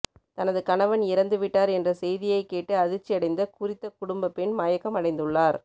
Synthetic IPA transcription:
t̪ɐnɐðɯkɐnɐʋɐnɪɾɐnd̪ɯʋɪʈːaːɾɛndrɐsɛjðɪjɐɪkːeːʈːɯɐðɪt͡ʃːijɐɽɐɪnd̪ɐkʊɾɪt̪ːɐkʊɽʊmbɐpːɪnmɐjɐkːɐmɐɽɐɪnd̪ɯɭːaːɾ

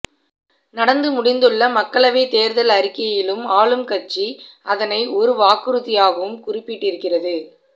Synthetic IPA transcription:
nɐɽɐnd̪ɯmʊɽɪnd̪ɯɭːɐmɐkːɐɭɐʋeɪt̪eːɾðɐlɐɾɪkːɐjɪlɯmaːɭɯmkɐt͡ʃːiɐðɐnɐɪʔɔɾɯʋaːkɯɾɯðɪjaːɣɐʋɯmkʊrɪpːɪʈːɪɾɯkːɪrɐðɯ

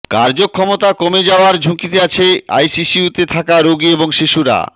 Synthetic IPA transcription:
kaɾd͡ʑokʰːɔmot̪akomed͡ʑaoaɾd͡ʑʱukit̪eat͡ɕʰea̰jsiʃiut̪et̪ʰakaɾoɡieboŋʃiʃuɾa̰

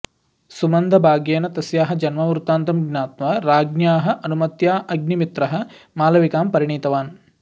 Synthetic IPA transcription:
sumɐnd̪ʱɐbʱaːɡjeːnɐt̪ɐsjaːɦɐd͡ʒɐnmɐmuɾut̪aːnt̪ɐmɡnʲaːt̪ʋɐɾaːɡnjaːɦɐʔɐnumɐt̪jaːʔɐɡnimit̪ɾɐɦɐ̆maːlɐʋikaːmpɐɾiɳiːt̪ɐʋaːn

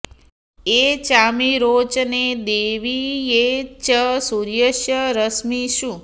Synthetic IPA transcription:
et͡ʃamiɾot͡ʃned̪eʋijet͡ʃəsuɾjəʃjəɾəsmiʃũ

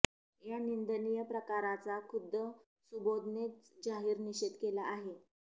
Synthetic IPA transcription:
janind̪ənijəpɾəkaɾat͡sakʰud̪ːə | subod̪net͡sd͡ʑaɦiːɾniɕit̪kelaʔːɦe

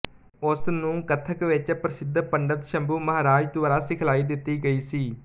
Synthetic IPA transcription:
ʊsnũːkət̪ʰəkʋɪt͡ʃpɾəsɪd̪pəɳɖət̪ʃəmbuːməɦaːɾaːd͡ʒt̪ʊʋaːɾaːsɪkʰlaːiːd̪ɪt̪ːiːɡəiːsiː

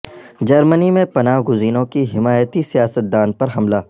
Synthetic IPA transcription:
d͡ʒɐɾmənimẽpɐnaːɦɡʊziːnõkiɦɪmaːjət̪isijaːsət̪̚d̪aːnpɐɾɦɐmlaː

